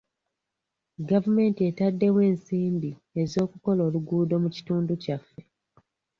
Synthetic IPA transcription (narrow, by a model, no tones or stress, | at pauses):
ɡavume̞ːntietadːe̞we̞ːnsiːmbie̞zo̞ːkuko̞lo̞ːluɡuːdo̞muci̥tuːnducafːe̞